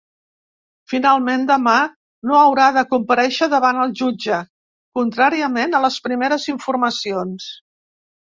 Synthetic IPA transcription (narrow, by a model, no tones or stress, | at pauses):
finalˠmend̪əma | noəwɾaðəkumpəɾɛʃəðəβanəlˠʒud͡ʒə | kunt̪ɾaɾiəmenələspɾimeɾəziɱfuɾməsions